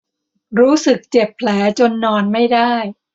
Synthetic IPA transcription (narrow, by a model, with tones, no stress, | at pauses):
ɾuː˦˥sɯ˨˩k̚t͡ɕe˨˩pʰːlɛː˩˦t͡ɕo˧nːɔː˧nma˥˩jda˥˩j